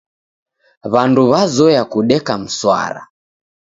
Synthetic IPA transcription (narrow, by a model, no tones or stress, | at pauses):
βanduβazɔjakuɗɛkam̩swa̰ɾa̰